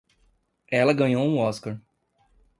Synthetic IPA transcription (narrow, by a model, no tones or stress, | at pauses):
ɛlɐɡɐ̃ɲowũɔskaɾ